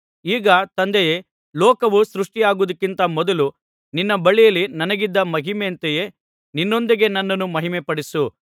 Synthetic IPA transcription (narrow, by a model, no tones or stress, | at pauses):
iːɡɐt̪ɐnd̪eje | lɔːkɐʋusɾuʂʈijaːɡud̪ɐkːint̪ɐmɔd̪ɐlu | ninːɐbɐɭijɐlːinɐnɐɡid̪ːɐmɐɦimeɐnt̪eje̞ | ninːond̪iɡe̞nɐnːɐnːumɐɦimɛpɐɽisu